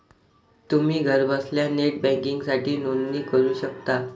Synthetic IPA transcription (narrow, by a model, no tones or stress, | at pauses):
t̪um̤iːɡʱəɾbəsljaneʈ̚bɛ̃kiŋɡsaʈʰiːnonːiːkəɾuːɕəkt̪a